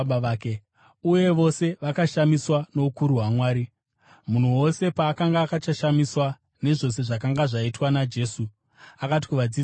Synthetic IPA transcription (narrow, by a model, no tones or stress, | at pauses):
aːke | uje̞ʋo̞se̞ʋakaʃamiswano̞ukuɾuɦwamwaːɾi | mun̤uwo̞se̞paːkaŋɡaːkat͡ʃaʃamiswa | ne̞ʐo̞s̬e̞ʐakaŋɡaʐaitwanad͡ʒe̞ːsu | akati̥kuʋad͡zi